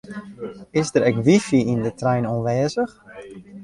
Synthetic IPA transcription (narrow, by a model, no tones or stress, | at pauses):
ɪzdəɾɛkʋifiindətrɛjnɔnʋɛːzəx